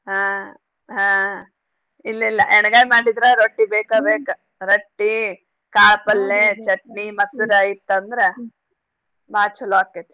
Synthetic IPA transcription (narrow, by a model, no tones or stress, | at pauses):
ɦãː | ɦãː | ilːilːɐʔɛɳɡaːjmaːɽid̪ɾaɾoʈːibeːkabeːkɐ | ɾɐʈːi | kaːɭpɐlːet͡ʃɐʈnimɐsiɾɐjit̪ːɐnd̪ɐɾe | baːt͡ʃʰulaːkːet̪